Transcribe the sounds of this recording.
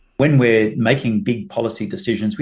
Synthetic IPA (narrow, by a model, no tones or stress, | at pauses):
wɨ̃nwɪɹmeɪkʰɪ̃ŋbɪɡ̚pʰɒlˠəsidɨsɪʒə̃nzwi